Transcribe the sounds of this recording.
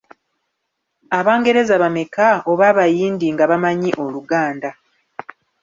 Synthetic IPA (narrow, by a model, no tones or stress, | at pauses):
aβaːŋɡe̞ɾe̞zaβamekao̞βaβajiːndiŋɡaβamaɲiʔo̞luɡaːnda